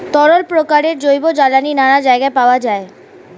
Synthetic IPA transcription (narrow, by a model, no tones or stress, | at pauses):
t̪ɔɾolpɾokaɾeɾd͡ʑojbod͡ʑalaninanad͡ʑaeɡaepaoad͡ʑae